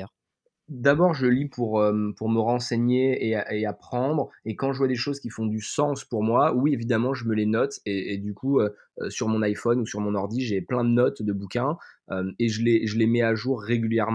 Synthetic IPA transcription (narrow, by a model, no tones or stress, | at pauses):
d̪abɔʁʒəlipʰuʁømpuʁməʁɑ̃seɲeeaeapχɑ̃d̪ʁekɑ̃ʒəvwad̪eʃozkʲifɔ̃d̪ysɑ̃spuʁmwawievid̪amɑ̃ʒəməlenɔt̪eed̪ykuø | ø̰syʁmɔ̃najfɔnusyʁmɔ̃nɔʁd̪iʒeplɛ̃d̪ənɔt̪d̪əbukʲɛ̃ømeʒəleʒəlemɛaʒuʁːeɡʲyljɛʁm̃